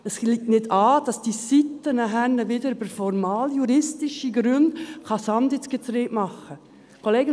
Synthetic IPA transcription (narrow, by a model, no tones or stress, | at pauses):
ɛsliːk̚tnɪdɑːd̥ɑsd̥isit̪ːənɛɦænəʋɪdəɾybəɾfɔɾmɑːljuɾɪstɪʃiɡɾʉndχɑsɑndɪt͡sɡ̥ətɾeːʔmɑχə | kʰoleːɡə